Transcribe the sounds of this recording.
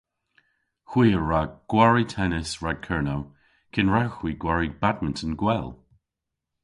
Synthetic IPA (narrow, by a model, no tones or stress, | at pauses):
xwiːəɹaɡ̥waɹitʰɛnɪsɹaɡ̚kʰɛɹnow | kʰɪnɹawxwiːɡwaɹibad̚məntʰənɡwɛlˠ